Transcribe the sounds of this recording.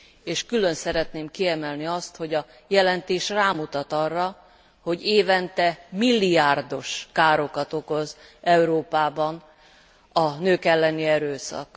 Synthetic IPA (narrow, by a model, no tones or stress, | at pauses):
eːʃkylø̞nsɛɾɛt̪neːmkiɛmɛlniɒst̪ho̞ɟɒ | jɛlɛnt̪eːʃraːmut̪ɒt̪ɒrːɒ | ho̞ɟeːvɛnt̪ɛmilːijaːrd̪o̞ʃkaːɾo̞kɒt̪o̞ko̞zɛuɾoːpaːbɒn | ɒnøːkɛlːɛniɛɾøːsɒ̰k